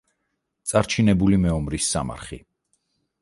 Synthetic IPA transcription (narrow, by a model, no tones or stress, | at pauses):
t̪sʼaɾt͡ʃʰinɛbulimɛɔmɾisːa̰ma̰ɾχḭ